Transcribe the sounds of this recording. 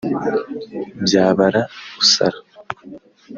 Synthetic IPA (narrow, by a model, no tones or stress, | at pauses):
bjaːβaɾaβusa̰ɾa